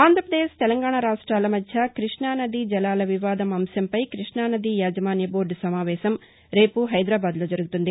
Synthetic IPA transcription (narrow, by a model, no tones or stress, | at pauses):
aːnd̪ʱɾɐpɾɐd̪eːʂt̪ɛlɐŋɡaːɳaɾaːʂʈɾaːlɐmɐd̪ʱjɐkɾiʂɳaːnɐd̪id͡ʒɛlaːlɐʋiʋaːd̪ɐmɐmsɐmpɐjkɾiʂɳaːnɐd̪ijaːd͡ʒɐmaːnjɐbo̞ːɾɖsɐmaːʋɛːʃɐm | ɾe̞ːpuɦɐjd̪ɾaːbaːd̪loːd͡ʒɐɾuɡut̪und̪i